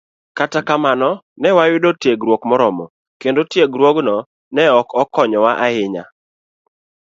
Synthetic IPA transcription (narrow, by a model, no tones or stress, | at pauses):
katakamanɔ | nɛwawɪdotjeɡɾwokmɔɾɔmɔ | kendotjeɡɾwoɡnɔ | nɛɔkɔkɔɲɔwaʔaɪɲa̰